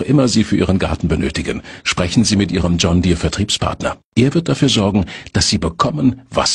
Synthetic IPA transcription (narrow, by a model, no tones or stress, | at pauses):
χʔɪmɐziːfyːɐʔiːʁənɡa̰ɐtn̩bənøːtɪɡənʃpʁ̥ɛçn̩ziːmɪtʔiːʁ̞əmd͡ʒɔndiːɐfɛɐtʁ̥iːpspʰa̰ɐtnɐ̰ʔeːɐvɪɐt̚d̥afyːɐzɔɐɡŋ̩d̥asz̥iːbəkʰɔmənva̰s